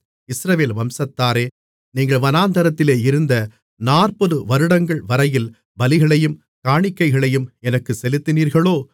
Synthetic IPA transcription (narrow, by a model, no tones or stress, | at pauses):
ɪsɾɐʋeːlʋɐmsɐt̪ːaːɾeː | niːŋɡɐɭʋɐnaːnd̪ɐɾɐt̪ːɪleːɪɾɯnd̪ɐ | naːrpɔðɯʋɐɾɯɽɐŋɡɐɭʋɐɾɐjɪl | bɐlɪɣɐɭɐjɯm | kaːɳɪkːɐɪɣɐɭɐjɯmɛnɐkːɯsɛlɯt̪ːɪniːɾɣɐɭoː